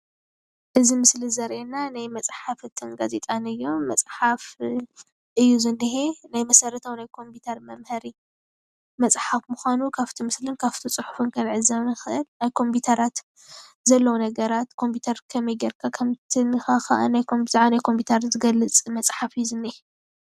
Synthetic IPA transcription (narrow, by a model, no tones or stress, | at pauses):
ʔɨzimɨslizɐɾʔenanajmɐt͡sʼħafɨt̪ʰɨnɡaze̞t̪ʼanɨjːo̞mɐt͡sʼħaf | ʔɨjːuzɨnːɨɦenajmɐsɐɾɐt̪ʰawnajkʰo̞mpʰut̪ʰɐɾmɐmhɐɾi | mɐt͡sʼħafmuxʷanukʰaft̪ʰimɨslɨnkʰaft̪ʰit͡sʼħu̥fɨnkʰɐlʕɨzɐβnɨxɨʔɨlnajkʰo̞mput̪ʰɐɾat̪ | zɐlːɐwunɐɡɐɾat̪kʰo̞mpʰiut̪ʰɐɾkʰɐmɐjɡɐɾkʰakʰɐmt̪ʰinɨxaxa̰ʔa̰najkʰo̞mtaʕanajkʰo̞mpʰut̪ʰɐɾzɨɡɐlːɨt͡sʼmɐt͡sʼħafɨjuzɨnːɨhe